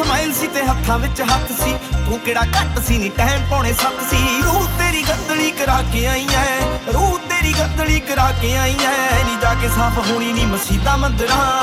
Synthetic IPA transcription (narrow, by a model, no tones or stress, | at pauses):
əmaːɪnsiːt̪eːɦət̪ʰːãːʋɪt͡ʃɦət̪ʰsiːt̪ũːkeːɽaːkəɾt̪əsiːnẽːʈɛɦɛmkɔ̃ːɽ̃eːsək̪siːɾuːt̪eːɾiːɡənd̪liːkəɾaːkeːaːiːãːɛːɾuːt̪eːɾiːɡə̃nd̪liːkəɾaːkeːaːiːãːɦɛːnĩːd͡ʒaːkeːsãːbɦoːɽ̃iːnĩːməsiːd̪ãːmənd̪ɾaãː